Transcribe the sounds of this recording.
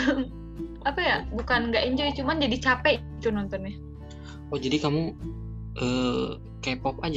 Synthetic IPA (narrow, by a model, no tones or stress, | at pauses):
apajabukanŋɡaʔiɲd͡ʒɔjt͡ʃumand͡ʒadit͡ʃapɛ | d͡ʒɔnɔnt̪ɔnɲa | ɔd͡ʒadikamu | ʔə | kapɔpad͡ʒ